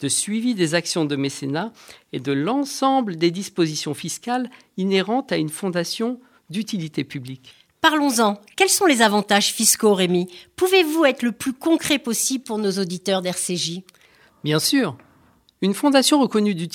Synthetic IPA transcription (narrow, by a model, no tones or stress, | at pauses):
d̪̥əsɥivid̪ezaksjɔ̃d̪əmesenaed̪əlɑ̃sɑ̃bləd̪ed̪ispozisjɔ̃fiskal | ineʁɑ̃t̪aynfɔ̃d̪asjɔ̃ | d̪yt̪ilit̪epyblik | paʁlɔ̃zɑ̃kʲɛlsɔ̃lezavɑ̃t̪aʒfiskoʁemipuvevuɛt̪χləplykɔ̃kχepɔsibpuʁnozod̪it̪œʁd̪ɛʁseʒi | bjɛ̃syːʁ | ynfɔ̃d̪asjɔ̃ʁəkɔnyd̪y